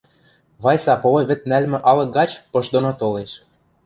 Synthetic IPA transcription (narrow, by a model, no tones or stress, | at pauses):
βɑjsɑpovŏjβɘ̆t̪̚nælmɘ̆ʔɑlɤ̆k̚ɡɑt͡ɕpɤʃd̪onot̪oleʃ